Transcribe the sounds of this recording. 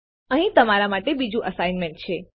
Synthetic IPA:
əɦĩt̪əmaɾamaʈebid͡ʒũʔəsaijnmeɳʈ̚t͡ʃʰe

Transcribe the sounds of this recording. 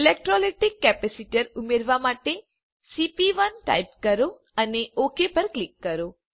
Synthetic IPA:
ilek̚ʈɾɔleʈikːɛpɛsiʈəɾumeɾʋamaʈe | sipiʋənʈa̰jp̚kəɾo | əneokepəɾklikːəɾo

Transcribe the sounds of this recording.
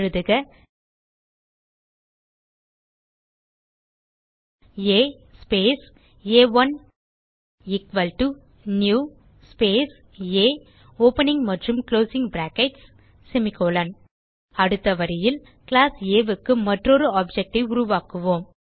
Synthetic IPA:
ɾɯðɯɣɐ | eː | speːs | eːʋɐn | ɪkʋɐlʈu | njuː | speːs | eː | oːpɐnɪŋmɐʈrɯmkloːsɪŋbɾaːkɛʈsː | ɛmɪkoːlɐn | ɐɽɯt̪ːɐʋɐɾɪjɪl | klaːseːʋɯkːɯmɐʈrɔɾɯaːp̚d͡ʒɛk̚ʈɐɪʊɾʊʋaːkɯʋoːm

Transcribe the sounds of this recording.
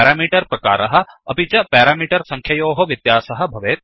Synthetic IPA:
ɾaːmiːʈɐɾpɾɐka̰ːɾɐɦɐ̆ɐpit͡ʃɐpɛːɾaːmiːʈɐɾsɐ̃ŋkʰjɐjoːɦoʋid̪jaːsɐɦɐ̆bʱɐʋeːt̪̚

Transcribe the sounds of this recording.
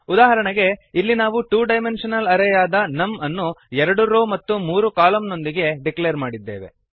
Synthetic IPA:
ud̪aːɦɐɾɐɳɐɡe̞ilːinaːʋuʈuːɖɐjme̞nʂɐnɐlɐɾɛjaːd̪ɐnɐmɐnːuɛɾɐɽuɾoːmɐt̪ːumuːɾukaːlɐmno̞nd̪iɡe̞ɖiklejɐɾmaːɽid̪ːḛːʋe̞̰

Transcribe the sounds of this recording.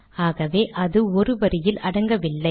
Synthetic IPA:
aːɣɐʋeːʔɐðɯɔɾɯʋɐɾɪjɪlɐɽɐŋɡɐʋɪlːɐɪ

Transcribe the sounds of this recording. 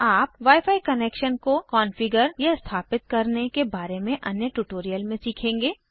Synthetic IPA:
aːpʋaːjfʰaːikɐneːkʃənkokɔːnfɪɡəɾjɐst̪ʰaːpɪt̪̚kɐɾnekebaːɾemẽʔɐnjəʈuːʈoːɾijəlmẽsiːkʰẽːŋɡeː

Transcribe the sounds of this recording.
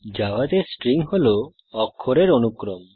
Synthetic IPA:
d͡ʒawad̪esʈɾiŋholo | ɔkʰːoɾeɾonukɾɔm

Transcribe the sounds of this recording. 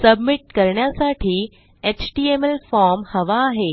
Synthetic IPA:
sɐbmɪʈkəɾɳjasaːʈʰi | et͡ɕʈiːemelfɔːɾmhɐʋaːɦe

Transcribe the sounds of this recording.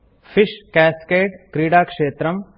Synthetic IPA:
fʰɪʃkɛːskeːʈkɾiːɽaːkʂeːt̪ɾəm

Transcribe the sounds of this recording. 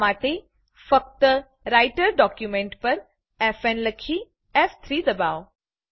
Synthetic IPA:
ʋaːʈe | fɐk̚t̪ | ɾaːɪʈəɾɖɔːkjumẽɳʈpɐɾ | ɛfɛnlɐkʰiː | ɛft̪ʰɾiːd̪ɐbaːo

